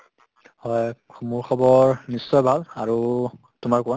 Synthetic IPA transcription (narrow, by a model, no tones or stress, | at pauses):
hɔj | muɹxʰɔbɔɹnisːɔjbʱalaɹu | tumaɹkuwa